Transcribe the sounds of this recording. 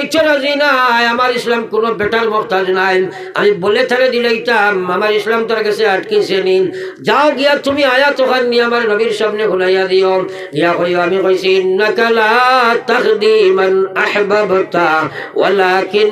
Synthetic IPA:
t͡ʃʰolɐziːnaɦɐmaːɾɪslamkʊnobeːʈaɾmʊxt̪aznaː | ɐ̰mĩbolet̪ʰɐled̪ilɐit̪amɦɐmaːɾeɪslamt̪ɐɾɡɐseɐʈkiseni | d͡ʒaːoɡijat̪ʊmĩaːjat̪oɣannĩɦɐmaːɾenɐbiːɾsɐbneɦʊlajad̪ijo | ɡijaɣojjoɦɐmĩɣojsiɪnːɐkɐlaːt̪ɐɣd̪iːmɐnɐħbɐbt̪awɐ̰laːkɪn

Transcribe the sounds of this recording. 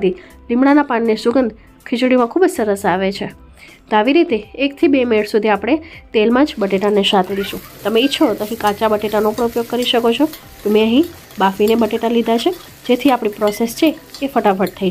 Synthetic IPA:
d̪ʱi | lɪmɽanapannesʊɡənd̪ | kʰɪt͡ʃɽimãkʰubd͡ʒsəɾəsaʋet͡ʃʰe | t̪oaʋiɾit̪eːkt̪ʰibemeɭsud̪ʱiapɽ̃et̪elmãd͡ʒbəʈeʈaneʃat̪ʰeliʃũ | t̪əmeitːt͡ʃʰot̪əkikat͡ʃabəʈeʈanopəɳ̃upjoɡ̚kəɾiʃəkot͡ʃʰo | t̪omẽəɦĩ | bafinebəʈeʈalid̪ʱat͡ʃʰe | d͡ʒet̪ʰiapɽ̃ipɾɔsest͡ʃʰekefəʈafʰəɾt̪ʰəi

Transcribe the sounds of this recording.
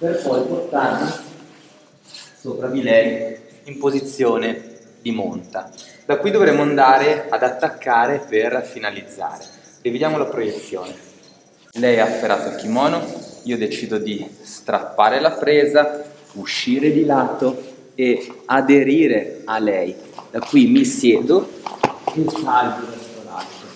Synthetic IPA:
perpɔjport̪arli | sopɾad̪ilɛj | impozit̪sːjoːne | d̪imont̪ad̪akːujd̪ovɾɛmːoand̪aːɾead̪at̪ːakːaːɾeperfinalid̪zːa̰ːɾe | rived̪jaːmolapɾojet̪sjoːne | lɛjafːeɾa̰ːt̪oilk̪imɔːnoiːod̪et͡ʃiːd̪od̪ist̪ɾa̰pːaːɾelapɾɛːza | uʃːiːɾed̪ilat̪ːo | ead̪eɾiːɾealɛjd̪akːwimisjɛːd̪o | ilsalboesola̰t̪ːo

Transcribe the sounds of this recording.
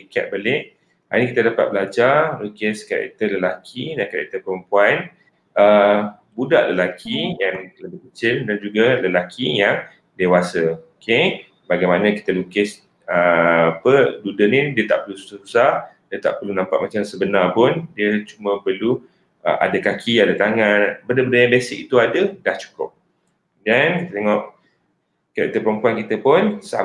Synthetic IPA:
ika̰t̪̚balɪʔ | ha̰nikit̪adapat̪̚bəlad͡ʒalukɪskaɾɛ̰k̚t̪ərləlakʰidankaɾɛ̰k̚t̪əpəɾəmpuan | ʔə | buda̰ʔləlakʰijaŋləbɪhkət͡ʃɪldand͡ʒuɡaləlakʰijaŋ | dewasəokʰe | baɡajmanãki̥t̪əlukɪs | əapədudənidiət̪aʔpərlusu̥sasusahdiət̪a̰ʔpəlunãmpaʔmat͡ʃamsəbənarpʊndiət͡ʃumə̃pərlu | ə̰ʔa̰dakakʰiaadat̪aŋanbəndəbəndəjãbesɪʔit̪uadədaht͡ʃu̥kʊp̚ | dankikt̪ət̪eŋɔʔ | kəa̰ʔkit̪əpəɾompuankit̪əpʊnsa̰

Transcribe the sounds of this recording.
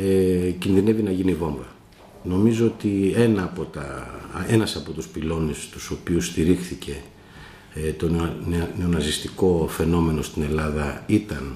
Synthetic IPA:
ecinðine̞vinɐʝinivo̞ɱvɐ | no̞mizo̞ot̪ie̞nɐːpo̞t̪ɐe̞nɐsɐpo̞t̪uspilo̞nest̪u̥so̞piust̪iɾixθice̞ | t̪o̞nne̞o̞nɐzist̪iko̞fe̞no̞me̞no̞st̪ine̞lɐðɐit̪ɐn

